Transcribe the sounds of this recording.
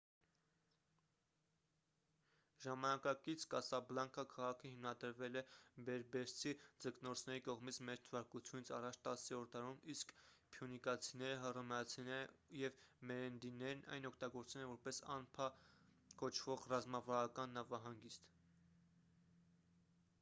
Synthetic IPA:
ʒɑmɑnɑkɑkit͡sʰkɑsɑblɑŋkʰəkʰɑʁɑkʰəhimnɑd̪əɾvɛlɛbɛɾbɛɾt͡sʰid͡zəknɔɾt͡sʰnɛɾikɔʁmit͡sʰmɛɾt̪ʰəvɑɾkut͡sʰjunit͡sʰɑrɑt͡ʃʰt̪ɑsiɔɾt̪ɑɾumiskpʰjunikɑt͡sʰinɛɾəɦərəmɛɑt͡sʰinɛɾəjɛvmɛɾɛnd̪inɛɾnɑ̰jnɔkʰt̪ɑɡɔɾt͡sɛlɛvɔɾpɛsɑ̰npʰɑ | kɔt͡ʃʰvɔʁrɑzmɑvɑɾɑkɑnːɑvɑɦɑŋɡist̪

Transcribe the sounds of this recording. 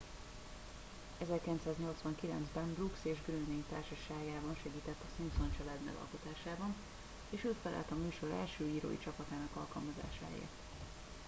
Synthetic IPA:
ɛzɛrkilɛnt̪saːzɲo̞lt̪sʋɒŋkilɛ̰nzbɛnbrukseːʒɡøɾølmeːɲt̪aːrʃɒʃaːjaːbɒnʃɛɡiːt̪ɛt̪ːɒsimpzont͡ʃɒlaːd̪mɛ̰ɡɒ̰lko̞t̪aːʃaːbɒn | eːʃøːfɛlʔɛ̰lt̪ɒmyːʃo̞ɾɛ̰lʃøːiːɾo̰ːjḭt͡ʃɒpɒt̪aːnɒkɒlkɒlmɒza̰ːʃa̰ːḛːrt̪

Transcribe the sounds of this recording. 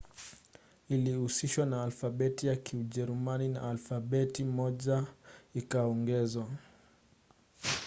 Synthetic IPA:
iliusiʃwanaːlfabɛtijakiuʄɛɾumanina̰ːlfaɓɛtimɔʄaikaɔŋɡɛzwa

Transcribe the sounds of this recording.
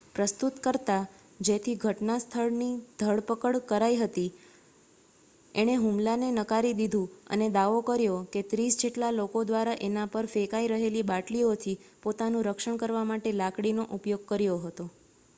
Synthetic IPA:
pɾəst̪ut̪kəɾt̪a | d͡ʒet̪ʰiɡʱəʈnast̪ʰəɭnid̪ʱəɭpəkəɭkəɾaiɦət̪i | eɽ̃eɦumlanenəkaɾid̪id̪ʱũə̰ned̪aʋokəɾjoket̪ɾisd͡ʒeʈlalokod̪ʋaɾaʔenapəɾfekaiɾəɦelibaʈliot̪ʰipot̪anũɾəkʃəɳ̃kəɾʋamaʈelakɽinoʔupjoɡ̚kəɾjoɦət̪o

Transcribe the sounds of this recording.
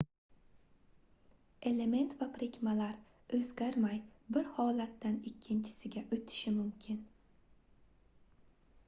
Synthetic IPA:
e̞le̞me̞nt̪vapʰɾekʲmalaɾ | ɵzɡʲaɾmajbɪɾhɒlat̪ːanɪkʲʰːɪnt͡ʃʰɪ̥sɪɡʲaʔɵt̪ʰɪ̥ʃɪmʊmkʲʰɪn

